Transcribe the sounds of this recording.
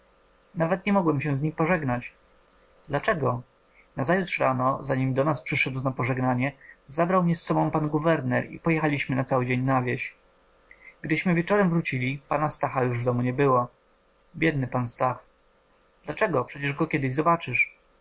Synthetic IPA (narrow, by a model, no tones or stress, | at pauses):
navɛt̪ɲɛmɔɡwɛmɕɛzɲixpɔʐɛɡnat͡ɕ | d̪lat͡ʂɛɡɔ | nazajut̪ʂɾanɔzaɲimd̪ɔnaspʂɘʂɛd̪wnapɔʐɛɡnaɲɛzabɾawmɲɛsːɔbɔ̃w̃panɡuvɛɾnɛɾḭpɔjɛxalʲiɕmɘnat̪sawɘd͡ʑeɲnavʲjeɕ | ɡ̥d̪ɘɕmɘvʲjɛt͡ʂɔɾɛmvɾut͡ɕilʲipanast̪axajuʐvd̪ɔmuɲɛbɘwɔ | bʲjɛd̪nɘpanst̪ax | d̪lat͡ʂɛɡɔpʂɛt͡ɕɛʐɡɔkʲjɛd̪ɘʑzɔbat͡ʂɘʂ